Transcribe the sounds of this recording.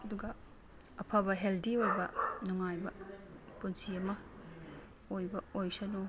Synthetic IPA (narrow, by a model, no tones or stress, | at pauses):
ɐduɡɐ | ɐpʰɐβɐɦeldiojbɐnuŋajbɐpunsiɐmɐ | ojbɐojsɐnu